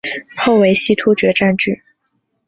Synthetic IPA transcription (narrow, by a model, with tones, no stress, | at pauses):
xo˥˩ʊwe˧˥ɪɕi˥˩t̪ʰu˥t͡ɕɥɛ˧˥ʈ͡ʂa˥˧nt͡ɕy˥˩